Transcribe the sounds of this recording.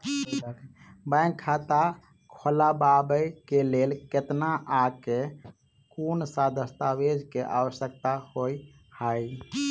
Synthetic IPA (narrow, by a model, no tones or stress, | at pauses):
bə̃jŋkʰːat̪a | kʰolababəjkelelket̪naʔake | kunsad̪ʱəst̪awed͡ʒʱkeʔa̰wəsjəkt̪ahoi | həj